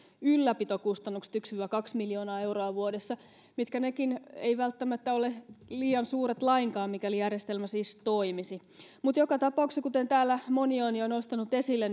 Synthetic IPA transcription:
ylːæpit̪okust̪ɑnːukst̪yksyʋækɑksmiljo̞ːnɑːeuroɑʋuodesːɑ | mit̪kænekinḛjʋælt̪ːæmæt̪ːæoleliːɑnsuːɾet̪lɑiŋkɑːmmikælijærjest̪elmæsiːst̪oimisi | mut̪jokɑt̪ɑpɑuksekut̪ent̪æːlːæmonionionost̪ɑnut̪esilːen

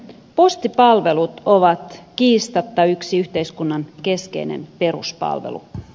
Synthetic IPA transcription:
post̪ipɑlʋe̞lut̪oʋɑt̪kiːst̪ɑt̪ːɑyksiyht̪eiskunːɑnkeskḛinḛnpe̞ɾṵspɑ̰lʋḛlṵ

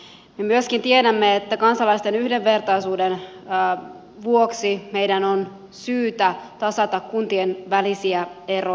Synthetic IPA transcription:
me̞myøskint̪iedæmːeet̪ːækɑnsɑlɑist̪enyhde̞ʋʋe̞rt̪ɑisuːdenː | ʋuoksime̞jdænon | syːt̪æt̪ɑsɑt̪ɑkkunt̪ienʋælisiæe̞ro

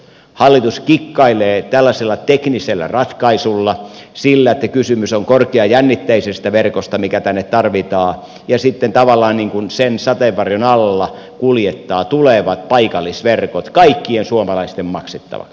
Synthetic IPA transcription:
hɑlːit̪uskikːɑileːt̪ælːæselːɑt̪ekniselːæ̰rɑt̪kɑisulːɑsilːæet̪ːækysymysoŋkorkeɑjænːit̪ːæisest̪æʋerkost̪ɑmikæt̪ænːet̪t̪ɑrʋit̪ɑː | jɑsit̪ːent̪ɑʋɑlːˑɑːnniːŋkunsensɑt̪eʋʋɑrjonɑlːɑ | kuljet̪ːɑːt̪uleʋɑt̪̚pɑikɑlːˑisʋerkot̪kɑikːiensuomɑlɑist̪emmɑkset̪ːɑ̰ʋɑ̰ks

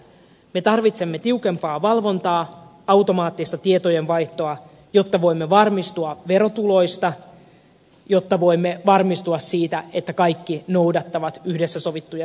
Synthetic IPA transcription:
me̞t̪ɑrʋit̪se̞mːet̪iuke̞mpɑːʋɑlʋo̞nt̪ɑː | ɑwt̪o̞mɑːt̪ːist̪ɑt̪iet̪o̞je̞nʋɑjht̪o̞ɑ | jo̞t̪ːɑʋo̞jmːeʋɑrmist̪uɑʋe̞ɾo̞t̪ulo̞jst̪ɑ | jo̞t̪ːɑʋo̞jmːeʋɑrmist̪uɑssiːt̪æe̞t̪ːækɑjkːinowdɑt̪ːɑʋɑt̪yhdesːæso̞ʋit̪ːujɑ

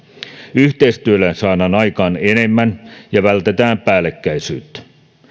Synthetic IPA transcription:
yht̪ejst̪yølænsɑːnɑːnɑjkɑːnene̞mːænjɑʋælt̪e̞t̪æːmpæːlːˑekːæjsyːt̪

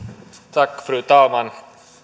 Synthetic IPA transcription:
t͡sak̚fɾɯːt̪aːlman

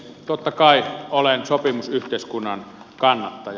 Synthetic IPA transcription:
t̪ot̪ːɑkɑˑiolensopimusyht̪ˑeˑiskunːɑn | kɑnːɑt̪ːɑj

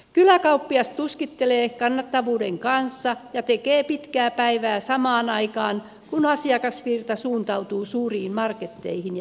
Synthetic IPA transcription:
kylækɑupːiɑst̪t̪uskit̪ːeleːkɑnːɑt̪ːɑʋuːdeŋkɑnsːɑjɑt̪ekeːpit̪kæːpæiʋæːsɑmɑːnɑikɑːn | kunɑsiɑkɑsʋirt̪ɑsuːnt̪ɑut̪uːsuːriːmmɑrket̪ːḛihin

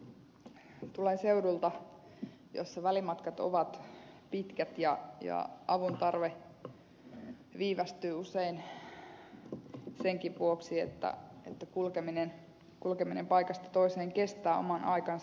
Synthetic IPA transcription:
t̪ulense̞udult̪ɑ | jo̰sːɑʋælimɑt̪kɑt̪o̰ʋɑt̪pit̪kæt̪jɑjɑ̰ɑʋunt̪ɑrʋe | ʋiːʋɑst̪yːusein | seŋkiʋʋuoksiḛt̪ːæ̰ḛt̪ːækulkeminen | kulkeminempɑjkɑst̪ɑ̥t̪o̞iseːŋke̞st̪æːo̰mɑnɑ̰jkɑn

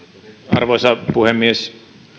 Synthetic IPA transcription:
ɑ̰rʋosɑpuhemːies

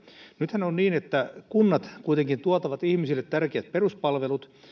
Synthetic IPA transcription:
nyt̪hænonniːnet̪ːækunːɑt̪kuit̪eŋkint̪uot̪ɑʋɑt̪ihmisilːet̪tærkeæt̪̚peruspɑlʋelut̪

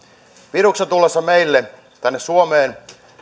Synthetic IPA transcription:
pirukset̪ulːesːɑmeilːe | t̪ænːessuomeːn

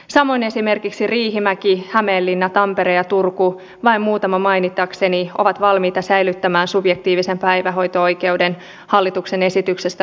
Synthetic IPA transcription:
sɑmo̞ine̞sime̞rkiksiriːɦimækihæmeːlːinːɑt̪ɑmpeɾejɑt̪urku | ʋɑimmuːt̪ɑmɑmɑjnit̪ːˑɑksenio̞̰ʋɑt̪ʋɑlmiːt̪ɑsæjlyt̪ːæmæːnsubjek̚t̪iːʋise̞mpæjʋæɦo̞jt̪oo̞jke̞wden | hɑlːit̪ukse̞ne̞sit̪yksest̪æ

